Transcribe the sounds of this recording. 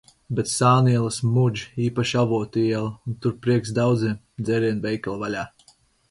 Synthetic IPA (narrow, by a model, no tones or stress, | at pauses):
bɛt̪saːniɛlˠasmud͡ʒiːpaʃavuɔt̪iɛlˠunt̪uɾpɾiɛksd̪awd̪zʲiɛm | d̪zʲɛɾiɛnvɛjkalˠvalʲaː